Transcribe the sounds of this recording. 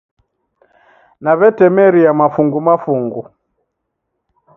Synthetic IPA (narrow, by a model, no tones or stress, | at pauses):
naβɛtɛmɛɾiamafuŋɡumafuŋɡu